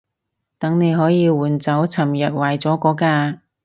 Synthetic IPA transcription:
t̪ɐ˨˥ŋne˨˧jɦɔː˨˥jiː˧wuː˨˩nt͡sɐ˨˥wt͡sʰɐ˨˩mjɐ˨t̚waː˨jt͡sɔː˨˥kɔː˨˥kaː˧

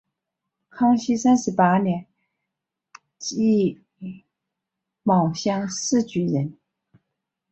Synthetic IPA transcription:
kʰɑ˥ŋɕi˥sa˥nʂɻ̩˧˥pa˥njɛ˧˥n | t͡ɕi˥˩ | mɑ˨˩ʊɕjɑ˥ŋʂɹ̩˥˩t͡ɕy˧˥ɻə˧˥n

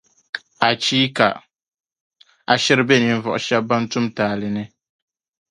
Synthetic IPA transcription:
a˨t͡ʃiː˦ka̰˨ | a˨ʃɪ˦ɾɨ˦bɛ˦ni˨n˦vɔ̰˨ʔʊ˨ʃɛ˦ba˦n˦tʊ˦mtaː˨lɨ˨nɨ˦

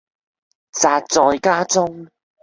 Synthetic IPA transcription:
t͡saː˧t̚t͡sɔː˨jkaː˥t͡sʊ˥ŋ

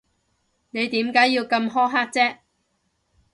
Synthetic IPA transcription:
ne˨˧jt̪iː˨˥mkaː˨˥jːiː˧wkɐ˧mɦɔː˥ɦaː˥k̚t͡sɛː˥ʔ

